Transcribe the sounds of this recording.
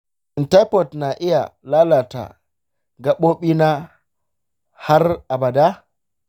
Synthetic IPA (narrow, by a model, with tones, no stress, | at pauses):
ʔɪ˨nta˦jpɔ˨tna˨ʔɪ˦ja̰˨laː˦la˨ta̰˨ | ɡa˨ɓoː˦ɓi˦na˦ | ha˦rʔa˨ba˨da˦